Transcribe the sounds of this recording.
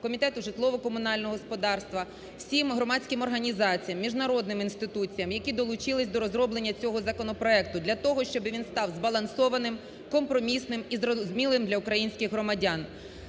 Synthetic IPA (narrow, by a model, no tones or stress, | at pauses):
kɔmʲit̪ɛt̪ʊʒɪt̪lˠɔʋɔkɔmʊnɑlʲnɔɦɔspɔd̪ɑrst̪ʋɐ | w̥sʲimɦɾɔmɑsʲkɪmɔrɦɐnʲizɑt͡sʲijɐmːʲiʒnɐɾɔd̪nɪminst̪ɪt̪ut͡sʲijɐmjɐkʲid̪ɔlˠʊt͡ʃɪlˠɪsʲd̪ɔɾɔzɾɔblˠenʲːɐt͡sʲɔɦɔzɐkɔnɔpɾɔɛk̚t̪ʊd̪lʲɐt̪ɔɦɔʃt͡ʃɔbɪʋʲinst̪ɑwzbɐlˠɐnsɔʋɐnɪm | kɔmpɾɔmʲisnɪmizzmʲilˠɪmd̪lʲɐʊkɾɐjinʲsʲkʲɪxɦɾɔmɐdʲan